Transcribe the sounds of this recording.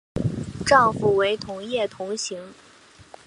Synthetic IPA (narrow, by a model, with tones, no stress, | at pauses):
ʈ͡ʂɑ˥˧ŋfu˨˩we˧˥ɪt̪ʰʊ˧˥ŋjɛ˥˩t̪ʰʊ˧˥ŋɕi˧˥ŋ